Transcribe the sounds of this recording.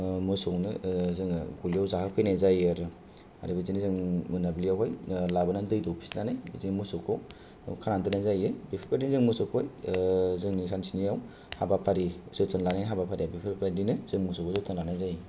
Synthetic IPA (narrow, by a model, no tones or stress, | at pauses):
musɔwnɯzɯŋɡulijawzahakpʰɯjnazajaɾɯ | a̰ɾibizinizɯŋmɯnablijawɦɔjlabanandɯjdɔwpʰi̥snanajzimusɔkʰow | kʰanantɯnazajɯbipʰipadinzɯŋmusɔkʰojzɯŋnisansinijaw | habapʰaɾisɯtʰɔnlanajnɦabapʰaɾijabipʰiɾpadinɯz̥ɯŋmusɔkosɔtʰɔnlanazaj